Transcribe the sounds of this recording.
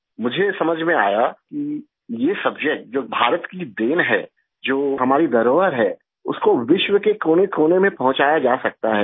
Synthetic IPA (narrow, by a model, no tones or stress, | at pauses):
mʊd͡ʒʱesɐməd͡ʒʱmẽa̰ːjaki | jesɐbd͡ʒək̚ʈ̚d͡ʒoːbʱaːɾət̪kid̪eːnɦɛː | d͡ʒoːɦɐmaːɾid̪ɐɾoːʋəɾɦɛː | ʊ̰skoʋɪʃwəkekoːnekoːnemẽpɐɦʊ̃t͡ʃaːjad͡ʒaːsɐk̚t̪aɦɛː